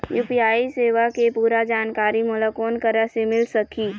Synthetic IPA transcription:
juːpiaːiseːʋakepuːɾad͡ʒaːnkaːɾimʊlakoːnkəɾəsemɪlsəkiː

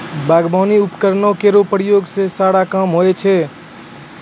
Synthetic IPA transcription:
baːɡbʱaːniʊpkəɾnõkeɾopəɾɪjoːɡsesaːɽakaːmɦoːet͡ʃʰeː

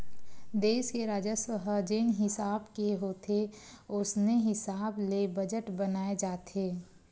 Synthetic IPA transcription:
d̪eːʃkeɾaːd͡ʒəswəɦəd͡ʒɪnɦɪsaːbkeɦoːt̪ʰe | ʊsneɦɪsaːblebəd͡ʒəʈbənaːed͡ʒaːt̪ʰeː

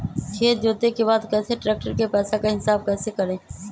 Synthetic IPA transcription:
kʰeːd͡ʒoːt̪ekebaːd̪kɛːseʈɾɛːk̚ʈəɾkepɛːsakaɦɪsaːb̚kɛːsekəɾẽː

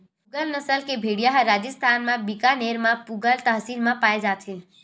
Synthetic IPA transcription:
puɡəlnəsəlkebʱeɽijaɦɾaːd͡ʒəst̪ʰaːnmãbikaneɾmãpuɡəlt̪əɦsilmãpaːed͡ʒaːt̪ʰe

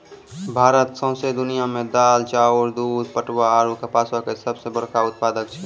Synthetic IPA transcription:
bʱaːɾət̪sə̃ːsed̪ʊnijamẽd̪aːlt͡ʃaːɔɾd̪uːd̪pəʈwaaːɾukəpaːsakesəbsebəɾkaʊt̪̚paːd̪ək̚t͡ʃʰɛ

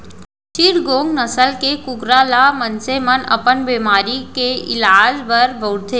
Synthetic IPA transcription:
t͡ʃiɾɡoːŋɡnəsəlkekʊɡɾalamənsemənɐ̰pənbeːmaːɾikeɪ̰laːd͡ʒbəɾbəʊɽt̪ʰe

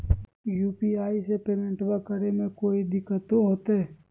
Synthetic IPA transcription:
juːpiaːisepeːmẽɳʈbakəɾemẽkoːid̪ɪkːət̪oɦoːt̪ɛ

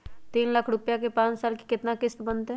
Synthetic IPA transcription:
t̪iːnləkʰɾʊpjakepãːt͡ʃsaːlki̥kɪt̪nakɪst̪bənt̪ɦɛ̃

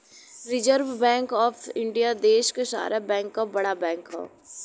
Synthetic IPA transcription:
ɾɪd͡ʒəɾʋbɛ̃ːŋkɔːfʰɪ̃ɳɖijad̪eːʃkeʃa̰ːɾʔabɛ̃ːŋkːabɐɽabɛ̃ːŋkɦɛ̰̃ː

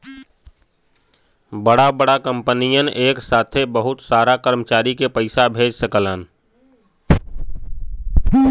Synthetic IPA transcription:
bəɽabəɽakə̃mpənijənʔeːksaːt̪ʰebəɦʊt̪saːɾakəɾmət͡ʃaːɾikepəɪsabʱeːd͡ʒsəkələn

